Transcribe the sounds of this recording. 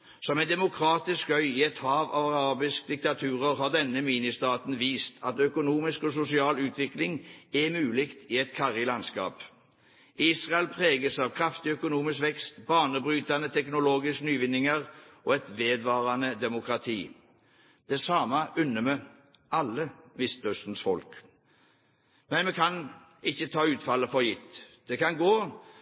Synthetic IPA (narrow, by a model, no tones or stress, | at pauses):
sɔmɛɪnd̪ɛmʊkʰʁɑːt̪ɪskœʏɪɛt̪hɑːʋɑ̰ʋɑʁɑːbɪskd̪ɪk̚t̪ɑt̪ʰʉːʁəʁɦɑːʁd̪ɛnːəmiːnɪst̪ɑːt̪n̩ʋiːst̪ʰɑt̪œkʊnuːmɪskosʊsɪɑːlʉːt̪ʰʋɪklɪŋɛmʉːlɪkt̪ʰiɛt̪kʰɑʁɪlɑnskɑ̰ːp | iːsʁɑɛlpʰʁeːɡəsɑʋkʰʁɑft̪ɪœkʊnuːmɪskʋɛkst̪bɑːʁnəbʁyːt̪ɑnət̪ʰɛknʊloːɡɪsknyːʋɪnːɪŋəʁɔːɛt̪ʋeːd̪ʋɑːʁɑnəd̪ɛmʊkʁɑt̪ʰiː | d̪̥ɛsɑːmɑʔʉnːəmɛ | ɑlːəmɪst̪œst̪ən̩sfɔlk | mɛnmɛkʰɑn | ɪçːət̪ʰɑːʉːt̪fɑlːəfɔʁjɪt̪ːd̪̥ɛkɑnɡoː